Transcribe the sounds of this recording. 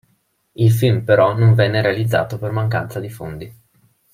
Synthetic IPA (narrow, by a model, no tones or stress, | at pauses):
ilfilmpeɾɔnoɱvɛnːeɾealid̪zːa̰ːt̪opermaŋk̬a̰nt̪sad̪ifond̪i